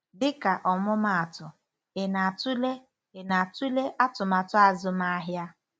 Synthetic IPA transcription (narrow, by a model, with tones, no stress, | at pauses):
dɪ˦ka˨ʔɔ˨mʊ˦ma˨a˨tʊ˨ | ɪ˨na˨tu˦le˦ | ɪ˨na˨a˨tu˦le˦ʔa˦tʊ˨ma˨tʊ˦a˨zʊ˦ma˦a˦ɦja˦